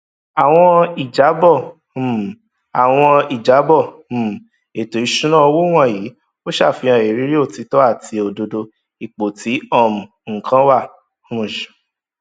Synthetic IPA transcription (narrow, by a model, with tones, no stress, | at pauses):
a˨w̃ɔ̃˧i˨d͡ʒa˨˦bɔ˦˨ | a˨w̃ɔ̃˧i˨d͡ʒa˨˦bɔ˦˨˦ | e˨to˨i˨˦ʃũ˦ñã˦ɔ˧wo˦w̃ɔ̃˦˨ji˨˦ | o˦ʃa˦˨fi˧ã˧˨e˨ɾi˨˦ɾi˦o˦˨ti˨˧˦tɔ˦a˦˨tʰi˧o˧do˧do˧ | i˨k͡po˨ti˨˦ɔ˦˨mũ˨ŋ̩˨kʰã˦wa˦˨ | ũ˦˨ʃ